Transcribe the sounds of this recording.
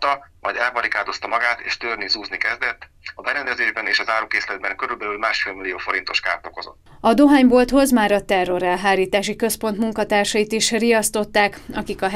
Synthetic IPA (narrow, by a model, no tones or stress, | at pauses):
t̪ɒmʔɒ̰jd̪ɛlpɒɾikaːd̪o̞st̪ɒmɒɡaːt̪eːʃt̪øːrnizuːznikɛzd̪ɛt̪ː | ɒbɛɾɛnd̪ɛzeːʒbɛneːʃɒzaːɾukeːslɛd̪̚bɛŋkøɾylbɛlylmaːʃfelmilːijoːfo̞ɾint̪o̞ʃka̰ːrt̪okozo̞̰t̪ːɒd̪o̞ɦaːɲbo̞lt̪ho̞zmaːɾɒt̪ɛrːo̞ɾɛlɦaːɾiːt̪aːʃikø̞spo̞nt̪muŋkɒt̪aːrʃɒjit̪iʃrijɒst̪o̞t̪ːaːkɒkikɒ